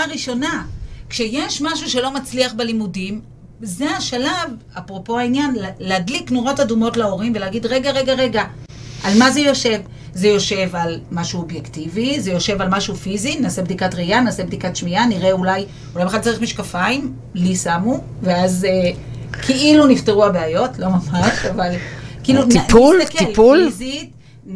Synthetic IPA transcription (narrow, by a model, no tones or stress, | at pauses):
ʁiʃo̞nakʃe̞jeʃmaʃuʃe̞lo̞mat͡sliaχbelimudim | zeaʃalavapʁo̞po̞ainjanlleadliknuʁo̞tadumo̞tlao̞ʁimveleaɡidʁe̞ɡaʁe̞ɡaʁe̞ɡa | ʔalmaze̞jo̞ʃe̞v | ze̞jo̞ʃe̞valmaʃuobjektivizejo̞ʃe̞valmaʃufizinaːse̞bd̪ikatʁejanaːse̞bd̪ikatʃmianiʁe̞ulaj | ulajbead̚t͡saʁiχmiʃkafaim | lisamu | veaze | kʰiʔilunifteʁuabeajo̞tlo̞mamaʃavalkiilunlkeipulzit